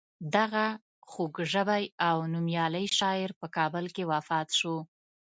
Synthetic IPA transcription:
d̪aɣa | xoɡʒəbajawnumjɑləjʃɑɪɾpəkɑbəlkewafɑt̪ʃo

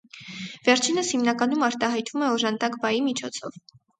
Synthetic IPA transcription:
vɛɾt͡ʃʰinəshimnɑkɑnumɑɾt̪ɑɦɑjt̪vumɛɔʒɑnd̪ɑkbɑjimit͡ʃʰɔt͡sʰɔv

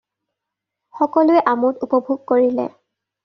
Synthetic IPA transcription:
xɔkɔlʊɛʔamʊtupɔbʱuɡ̚koɹilɛ̰

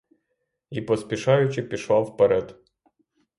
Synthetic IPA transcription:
ipɔspʲɪʃajʊt͡ɕɪpʲɪʃafpɐɾɛt̪

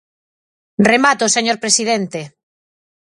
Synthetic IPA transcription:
remat̪oseɲoɾpɾesið̞ent̪e

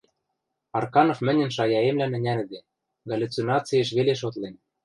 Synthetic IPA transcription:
ɑrkɑnofmɘ̆nʲɘ̆nʃ̬ɑjɑemlænɘ̆nʲælɘ̆d̪ĕ | ɡɑlʲut͡sinɑt͡sijeʃ̬βeleʃ̬ot̪len

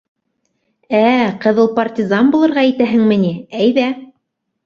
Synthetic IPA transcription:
æqɤ̆ðɤlˠpɐrt̪ʲɪzɑnbulˠɤ̆ɾʁɑijt̪æɦɘ̆ŋmɘ̆niæjðæ

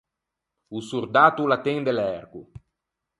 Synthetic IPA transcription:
usuɾd̪aːt̪ulat̪ɛŋd̪elɛrɡṵ

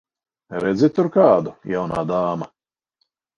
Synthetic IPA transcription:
ɾɛd̪zit̪ʊɾkaːd̪ujawna̰ːd̪aːma

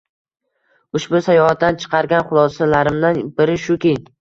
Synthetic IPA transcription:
ʊʃbʊsajɒhat̪̚d̪ant͡ʃʰɨ̥qʰɑɾɡʲanχʊlˠɒsalaɾɪmd̪anbɪɾɪʃʊkʲejn

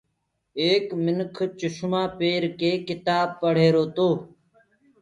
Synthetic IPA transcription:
eːkmɪnkʰt͡ʃʊʃmãːpeːɾkeːkɪt̪aːb̚pəɽ̤eːɾoːt̪oː

